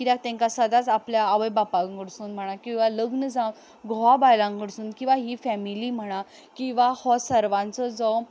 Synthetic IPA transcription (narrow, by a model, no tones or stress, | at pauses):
kid̪ak̚t̪ɛ̃ŋkasəd̪at͡sapljaːʋəjbapãŋɡəɽsuːnm̤əɽ̃akĩw̃ʋaləɡnəd͡zãn | ɡʱɔabajlãŋɡəɽsuːnkĩʋaɦifɛmiliːm̤əɽ̃a | kĩw̃ʋahɔsəɾʋãnt͡sɔd͡zɔ